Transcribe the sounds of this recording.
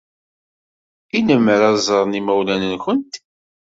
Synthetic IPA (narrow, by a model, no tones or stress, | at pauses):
inəmːəɾɑzˤəɾˤnimæwlænənçənt̪